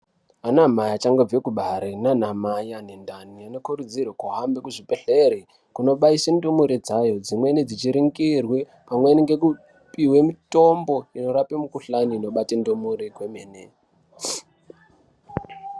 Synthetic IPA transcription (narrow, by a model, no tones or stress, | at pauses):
anamajat͡ʃaŋɡob͡vekuɓaɾenanamajanendaniano̞kuɾud͡zirwakuɦambekuʐipeɬeɾi | kuno̞ɓaisendomuɾed͡zajo̞d͡zimwe̞ned͡zit͡ʃiɾiŋɡirwe̞ | pamweniŋɡe̞ku | piwe̞mito̞mbo̞ino̞ɾapemukuɬaniːno̞ɓatendomuɾekwemeːne